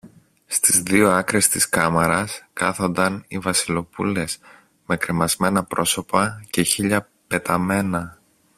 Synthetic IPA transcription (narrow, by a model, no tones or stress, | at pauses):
st̪izðio̞ɐkɾe̞st̪iskɐmɐɾɐskɐθo̞nd̪ɐnivɐsilo̞pṵle̞s | me̞kɾemɐzme̞nɐpɾo̞so̞pɐce̞çiʎɐ | pe̞t̪ɐme̞nɐ